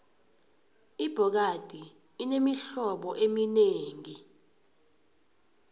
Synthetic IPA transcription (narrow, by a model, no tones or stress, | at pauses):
ib̥ʱɔk̬ad̥ʱiː | nemiɬɔɓɔʔemineːŋi